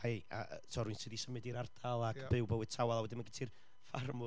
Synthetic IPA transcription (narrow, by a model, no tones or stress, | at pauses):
haja̰tʰɔɾwɨnsɨːðisəmɨdiɾard̥alˠaɡb̥ɨwbəwɨd̥̚tʰawalˠawɛdɪnmanɡɪtʰir | farmʊ